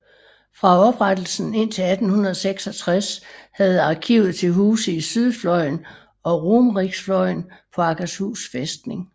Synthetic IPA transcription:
fʁɑ̈ɒ̽b̥ʁad̥l̩sn̩e̝n̰t͡sʰe̝æd̥n̩hunɐð̞ˠseɡ̥sɒ̽t͡sʰʁashæð̞̩ˠɑ̈ːkʰḭʊð̩ˠt͡sʰe̝lɦuːsəisyð̞ˠflɒ̽ɪn | ɒ̽ʁomʁiɡ̥sflɒɪnpʰɒ̽ɑ̈ɡ̥æshṵːsfesd̥ne̝ŋ

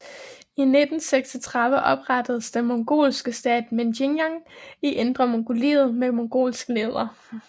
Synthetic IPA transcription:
ined̥n̩seɡ̥sɒt͡sʰʁɑ̈ðˠʋəʔɒ̽b̥ʁɑd̥əð̞̩ˠsd̥enmoŋɡ̥o̝̰ːlsɡ̥əsd̥ɛ̰ːd̥menɕinjɑŋiʔend̥ʁɐmoŋɡ̥ʰolḭːð̩ˠmemoŋɡ̥o̝̰ːlsɡ̥leðˠɐ

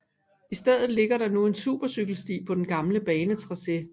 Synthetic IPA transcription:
isd̥eð̰ˠð̩ˠle̝ɡ̥ɐɾɑ̈nue̝nsṵːb̥ɐsyɡ̥l̩sd̥ḭːpʰɒ̽d̥enɡ̥ɑ̈mləb̥ɛːnət͡sʰʁɑ̈se̝

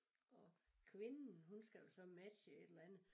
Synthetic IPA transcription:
ɒ̽kʰʋe̝nn̩ɦunsɡ̥æjosɒ̽mæ̥ɕəe̝d̥elænð̩ˠ

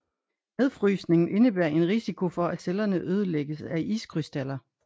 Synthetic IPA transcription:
æðˠfʁyːsne̝ŋn̩ʔe̝nəb̥æɐ̰e̝nʁisikʰo̝fɒ̽æselɐnəʔøːð̞ˠəleɡ̥əsæʔḭːskʰʁysd̥ælɐ

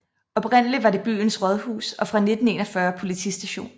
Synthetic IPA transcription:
ɒ̽b̥ʁɛn̰əliʋɑ̈ɾe̝b̥y̰ːnsʁɒð̞ˠhṵːsɒ̽fʁɑ̈ne̝d̥n̩e̝̰ːnɐfɶɐpʰo̝lit͡sʰḭsd̥æɕo̝̰ːn

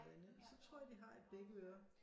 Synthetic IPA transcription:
ʋ̥ænəðˠsɒ̽t͡sʰʁɔ̝ɐ̰jɐd̥iɦɑ̈e̝d̥̚b̥eɡ̥əøɐ

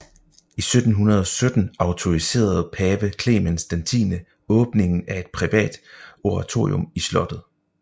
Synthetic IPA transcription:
isød̥n̩ɦunɐð̞ˠɒ̽sød̥n̩ɑ̈ʊt͡sʰo̝ʁise̝̰ːɐð̞̩ˠpʰɛːʋ̥əkʰle̝̰mænsd̥ænt͡sʰḭːnə | ɔ̽ːb̥ne̝ŋn̩æe̝d̥̚pʰʁiʋɛ̰ːd̥o̝ʁɑ̈t͡sʰo̝ːiomislɒ̽d̥ð̞̩ˠ

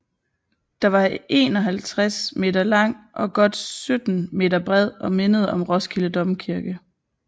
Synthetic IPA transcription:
d̥ɑ̈ʋɑ̈e̝ːnɒ̽ɦælt͡sʰʁasme̝̰ːdɐlɑ̈ŋ̰ʔɒ̽ɡ̥ɒ̽d̥sød̥n̩me̝̰ːd̥ɐb̥ʁɛð̞̰ˠɒ̽me̝nəð̞ˠɒ̽mʁɒ̽sɡ̥ʰiləd̥ɒ̽mkʰiɐɡ̥ə

